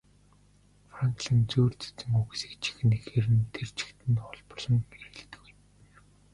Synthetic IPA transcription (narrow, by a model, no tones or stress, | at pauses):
fraŋkɮint͡suːrt͡sɵ̥t͡sɘ̆ŋuɣsi̥ːkt͡ɕʰi̥xɘ̆nexeːɾɘ̆nt̪ʰert͡ɕʰɪ̥kt̪ʰɘ̆nχɔɮpɞrɮɞ̆mmeɾeːɮt̪ɘ̆ɣuj